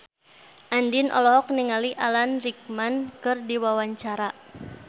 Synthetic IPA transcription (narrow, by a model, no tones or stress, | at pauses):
ʔandinʔɔ̰lɔɦɔk̚niŋaliʔalanrik̚mankɨrdiwawaɲt͡ʃaɾa